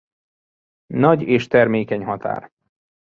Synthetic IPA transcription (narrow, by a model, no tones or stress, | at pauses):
nɒɟeːʃt̪ɛrmeːkɛɲɦɒt̪a̰ːr